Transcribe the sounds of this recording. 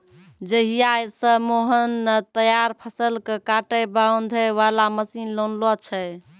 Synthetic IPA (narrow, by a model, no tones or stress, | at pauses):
d͡ʒəɦijajsəmoɦənt̪əjaɾpʰəsəlkekaʈəjbawnd̪ʱəʋalaməsinlonlɔt͡ʃʰɛ